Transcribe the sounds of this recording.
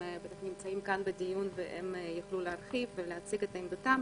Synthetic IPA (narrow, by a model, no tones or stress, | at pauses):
bet̪aχnimt͡saimkanbed̪ijunveʔḛmjaχluleaɾχifveleat͡siɡet̪aimd̪ot̪am